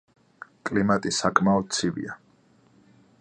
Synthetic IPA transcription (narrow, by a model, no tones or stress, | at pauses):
kʼlimat̪ʼisakʰʼmaɔd̪̥̚t̪sʰivḭa